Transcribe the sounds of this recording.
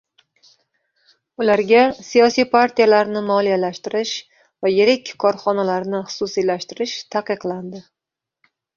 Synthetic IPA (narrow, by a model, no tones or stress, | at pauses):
ʊlaɾɡʲasijɒsijpʰaɾt̪ʰijalaɾnɪmɒlijalaʃt̪ɪɾɪʃ | vajeɾɪkʲkʰːɒɾχɒnalaɾnɪχʊ̥sʊsilaʃt̪ɪɾɪʃt̪ʰaqɨqlˠand̪ɪ